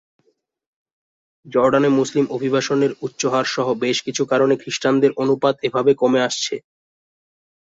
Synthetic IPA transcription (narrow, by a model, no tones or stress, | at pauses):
d͡ʑɔɾɖanemuslimobʱibaʃoneɾutːɕoɦaɾʃɔɦobeʃkit͡ɕʰukaɾonekɾiʃʈand̪eɾʔonupad̪ebʱabekomeaʃt͡ɕʰe